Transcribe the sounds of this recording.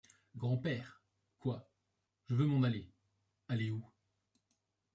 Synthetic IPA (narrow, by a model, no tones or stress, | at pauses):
ɡʁɑ̃pɛːʁ | kwa | ʒ̥əvømɔ̃nale | aleu